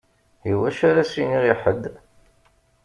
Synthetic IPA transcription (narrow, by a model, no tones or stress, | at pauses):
iwæʃaɾæsiniʁiħəd̪ː